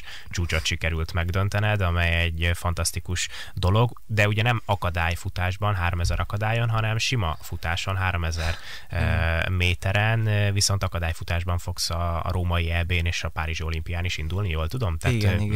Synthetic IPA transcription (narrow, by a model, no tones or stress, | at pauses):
t͡ʃuːt͡ʃo̞t̪ʃikɛɾylt̪mɛɡd̪ø̞n̪t̪ɛnɛd̪ɒmɛjɛɟːfɒnt̪ɒst̪ikuʃ | d̪o̞lo̞ɡ | d̪ɛuɟɛnɛmɒkɒd̪aːjfut̪aːʒbɒnɦaːɾo̞mɛzɛɾʔɒkɒd̪aːjo̞nɦɒnɛmʃimɒfut̪aːʃo̞nɦaːɾo̞mɛzɛr | meːt̪ɛɾɛnviso̞n̪t̪ɒkɒd̪aːjfut̪aːʒbɒɱfo̞ksɒ̰ɾoːmɒiɛbeːneːʃɒpaːɾiʒio̞limpijaːniʃind̪ulnijoːlt̪ud̪o̞mt̪at̪